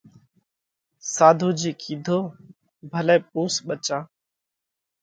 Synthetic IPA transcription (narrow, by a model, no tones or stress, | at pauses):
saːd̪ʱuːd͡ʒiːkʰiːd̪ʱoː | bʱəlɛ̃ːp̚ũːsɓət͡ʃãː